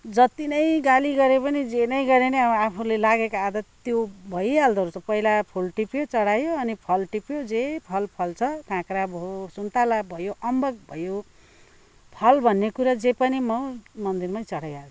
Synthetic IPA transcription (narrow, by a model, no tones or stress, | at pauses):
d͡zʌt̪inʌjɡaliɡʌɾepʌnid͡zenʌjɡʌɾeneapʰulelaɡekaːd̪ʌt̪jobʱʌjald̪ʱʌɾut͡sʌpʌilapʰulʈipjot͡sʌɽajoʌnipʰʌlʈipjod͡zepʰʌlpʰʌlt͡sʰʌkãkɾabʱosunt̪alabʱʌjoʔʌmbʌɡ̚bʱʌjo | pʰʌlbʱʌnːekuɾad͡zepʌnimʌmʌnd̪irmaj̃t͡sʌɽajat͡sʰu